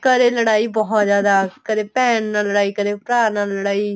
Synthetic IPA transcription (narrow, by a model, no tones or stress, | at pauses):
kəɾeːləɽaːiːbɔɦɔt̪zjaːd̪aːkəɾeːpɛːnːaːləɽaːiːkəɾeːpɾaːnaːlːəɽaːiː